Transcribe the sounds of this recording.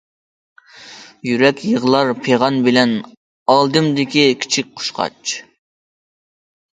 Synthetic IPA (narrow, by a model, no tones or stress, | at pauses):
jyɾɛkʲjəʁlˠɑɾpʰeʁɑnbɪlɛn | ɑlˠd̪ɨmd̪ɪkʲikʲʰi̥t͡ʃʰik̚ʲqʰʊ̥ʃqʰɑ̰t͡ʃ